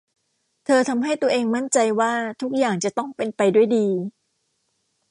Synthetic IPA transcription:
t̪ʰɤː˧t̪ʰa˧mɦa˥˩jt̪u˧ɐʔeː˧ŋma˥˩nt͡ɕa˧jwaː˥˩t̪ʰu˦˥k̚jaː˨˩ŋt͡ɕa˨˩t̪ɔ˥˩ŋpe˧npa˧jdu˥˩əjdiː˧

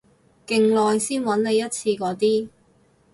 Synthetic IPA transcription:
kɪ˨ŋlɔː˨˧jsiː˥nwɐ˨˥nne˨˧jɐ˥t̚t͡sʰiː˧kɔː˨˥t̪iː˥

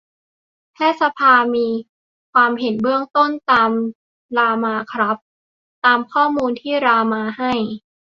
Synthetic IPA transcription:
t̪ʰɛː˥˩t̪̚sa˧pʰaː˧miː˧ | kʰwaː˧mɦe˨˩˦nbɯ˥˩əŋt̪o˥˩nt̪aː˧m | ɾaː˧maː˧kʰɾa˦˥p̚ | t̪aː˧mkʰɔː˥˩muː˧nt̪ʰiː˥˩ɾaː˧maː˧ha˥˩j

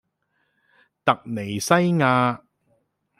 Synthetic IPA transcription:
t̪ɐ˨k̚ne˨˩jsɐ˥jŋaː˧

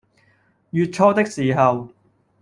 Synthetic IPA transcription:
jyː˨t̚t͡ʃʰɔː˧t̪ɪ˥k̚siː˨ɦɐ˨w

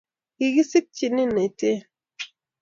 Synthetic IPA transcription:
ki˨ɣi˦si˦k̚t͡ʃi˦˨ni˦ne˨te˦

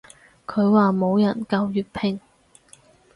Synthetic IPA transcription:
kʰɵ˨˧ɥwaː˨mo˨˧wjɐ˨˩nkɐ˧wjyː˨t̚pʰɪ˨˩ŋ

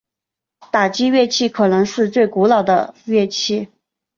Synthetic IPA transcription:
t̪a˨˩t͡ɕi˥ɥɛ˥˧t͡ɕʰi˥˩kʰɤ˨˩nɤ˧˥ŋʂɻ̩˥˧t͡swe˥˩ɪku˧˥lɑ˨˩ʊd̪ə̰˦ɥɛ˥˧t͡ɕʰi˥˩

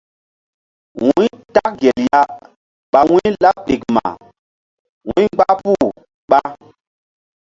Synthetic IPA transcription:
wũ˦ɲta˦k̚ɡe˨lja˦ | ɓa˨wũ˦la˦p̚ɗe˨kma̰˨ | wṵ̃˦ɡ͡ba˦pu˦˨ | ɓa˦

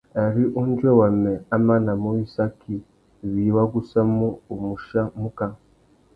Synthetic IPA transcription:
a˨ɾi˦ʔu˦n˦d͡ʒwe˦wa˨ne˨a˦ma˦na˨mu˦i˦sa˦ki˨ | βi˨wa˦ɡu˦sa˦muː˦˨mu˨ʃa˦mu˦ka˦

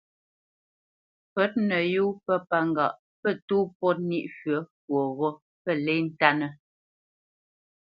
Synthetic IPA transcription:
fə˦t̚nə˨ju˦pə˦pa˦ŋ˨ɡa̰˨ʔ | pə˦tuː˦pɔ˦t̚ni˦ʔfɥə˨˦p̚wo˨ɣɔ˦ | pə˦˨lɛ˦n̩˦ta˦nə˦

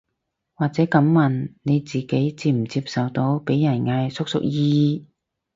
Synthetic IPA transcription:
waː˨k̚t͡sɛː˨˥kɐ˨˥mːɐ˨˩nne˨˧jt͡siː˨ke˨˥jt͡siː˧m̩˨˩t͡siː˧p̚sɐ˨wt̪o˨˥wpe˨˥jːɐ˨˩nŋaː˧jsʊ˥k̚sʊ̰˥k̚jiː˥iː˧

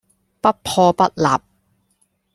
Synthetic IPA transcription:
pɐ˥t̚pʰɔː˧pɐ˥t̚la̰ː˨p̚

